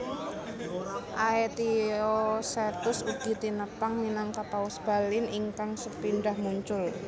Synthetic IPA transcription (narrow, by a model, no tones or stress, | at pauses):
ʔaet̪iosɛt̪ʊsuɡ̥i̤t̪inəpaŋminaŋkap̪awʊsb̥a̤lɪnʔiŋkaŋsəpinɖahmuɲt͡ʃʊl